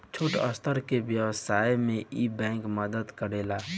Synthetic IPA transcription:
t͡ʃʰuʈə̰st̪ʰəɾkebjəwsaːjmẽʔibɛ̃ːŋkməd̪əd̪kəɾeːlaː

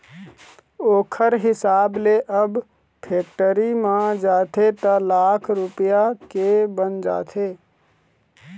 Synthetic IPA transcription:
oːkʰəɾɦɪsaːbleʔəb | pʰeːkʈəɾimãd͡ʒaːt̪ʰet̪əlakʰɾupjakebənd͡ʒa̰ːt̪ʰe

